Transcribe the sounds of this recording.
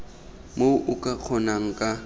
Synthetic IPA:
moʔʊkʼaq͡χʰɔnaŋ̩kʼa

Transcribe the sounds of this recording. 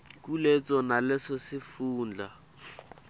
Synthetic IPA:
kulet͡sʼɔnalɪsɔsɪfuːnd͡ɮa

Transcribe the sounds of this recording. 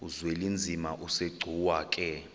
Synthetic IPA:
uzwelind͡zʱimaʔuseɡ͡ǀʱuwaːkʼɛ

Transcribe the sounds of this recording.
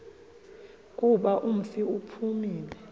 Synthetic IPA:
kʼuɓaʔum̩fiupʰumiːlɛ

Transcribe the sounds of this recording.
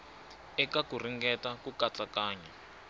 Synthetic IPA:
ɛkakur̤iŋɡɛtakukat͡ɬakaːɲɛ

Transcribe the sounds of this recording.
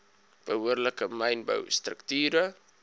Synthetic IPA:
b̥əɦuərləkəmɛjnbə̰wstrəktyːɾə

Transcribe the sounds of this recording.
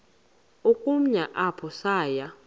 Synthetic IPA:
ukʼum̩ɲaʔapʰɔsaːja

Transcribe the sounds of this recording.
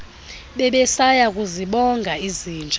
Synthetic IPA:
ɓɛɓɛsajak̬ʼuziɓɔŋɡʱaiziːnd͡ʒʱ

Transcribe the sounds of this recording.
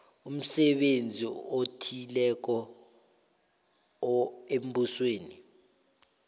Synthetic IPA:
um̩sɛɓend͡zʱiotʰilɛk̬ɔ | em̩busweːni

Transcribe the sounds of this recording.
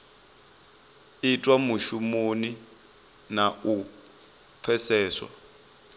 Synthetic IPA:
itʼwamuʃumoni | nau | p̪fʰɛsɛːswa̰

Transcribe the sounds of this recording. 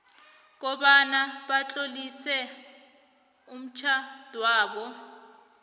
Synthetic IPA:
k̬ɔɓanaɓat͡ɬʼolisɛ | um̩t͡ʃʰad̥ʱwaːɓɔ

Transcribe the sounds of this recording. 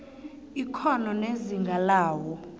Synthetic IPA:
ikʰɔnɔneziŋɡʱalaːwɔ

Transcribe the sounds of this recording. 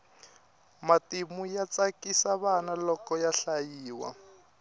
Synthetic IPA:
matimujat͡sakisaβanalɔkɔjaɬajiːwa̰

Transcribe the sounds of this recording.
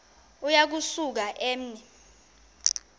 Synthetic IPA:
ujak̬usuk̬aʔeːm̩nɛ

